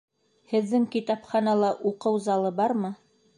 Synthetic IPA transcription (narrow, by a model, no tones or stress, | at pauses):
hɘ̆ðːɘŋkit̪ɑpχɑnɑlˠɑʔuqɤwzɑlˠɤbɑɾmɤ